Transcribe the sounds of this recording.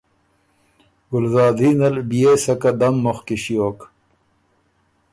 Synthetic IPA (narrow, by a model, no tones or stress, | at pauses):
ɡʊlzaːd̪iːnɐlbijesɐkɐd̪ɐmːoxkiɕijoːk